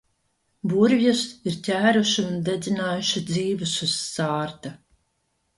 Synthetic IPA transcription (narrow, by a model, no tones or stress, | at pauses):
buɾvjɛsiɾtʲæːɾuʃiund̪ed̪zʲinaːjuʃid̪ziːvɨsusaːɾt̪a